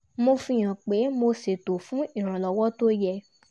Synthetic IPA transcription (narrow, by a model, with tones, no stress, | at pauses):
mo˧fĩ˧˦j̃ã˨k͡pe˨˦mo˧se˨to˨fũ˨˦i˦˨ɾ̃ã˨lɔ˨wɔ˦to˦jɛ˧